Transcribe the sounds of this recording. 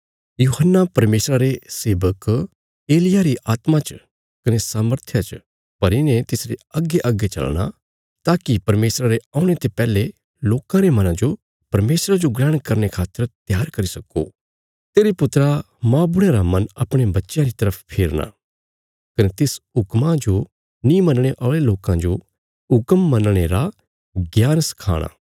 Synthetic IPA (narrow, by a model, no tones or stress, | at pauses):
juːɦənːapɐɾmeːsɾaɾeseːʋək | eːlɪjaɾiʔʔaːt̪mat͡ʃ | kɐnesaːməɾt̪ʰjat͡ʃ | pɐɾɪnẽt̪ɪsɾeɐɡːeʔɐɡːet͡ʃɐ̰lɽ̃a̰ | t̪aːkipɐɾmeːsɾaɾeãːʊɽ̃et̪epɛːle | loːkãɾemɐnãd͡ʒo | pɐɾmeːsɾad͡ʒoɡlɛːɽ̃kɐɾñekʰaːt̪ːəɾt̪ɪjaːɾkɐɾisɐkːo̰ | t̪eːɾepʊt̪ɾa | mãːbʊɽ̃eɾamɐnɐpɽ̃ebɐtːʃjãɾit̪ɐɾəpʰpʰeːɾña̰ | kɐnet̪ɪsʊkmãd͡ʒo | nĩmɐnɽ̃eʔɔːɭeloːkãd͡ʒo | ʊkəmːɐnɽ̃eɾa | ɡjaːnsɐ̥kʰa̰ːɽ̃a̰ː